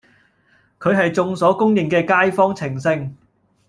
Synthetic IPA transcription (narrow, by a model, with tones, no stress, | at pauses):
kʰɵ˨˧ɥɦɐ˨jt͡sʊ˧ŋsɔː˨˥kʊ˥ŋjɪ˨ŋkɛː˧kaː˥jfɔː˥ŋt͡sʰɪ˨˩ŋsɪ˧ŋ